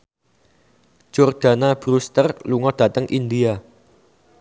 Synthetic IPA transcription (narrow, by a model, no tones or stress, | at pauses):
d͡ʒ̥ɔrd̥a̤nab̥ɾust̪ərluŋɔd̪̥ä̤t̪əŋʔind̪ia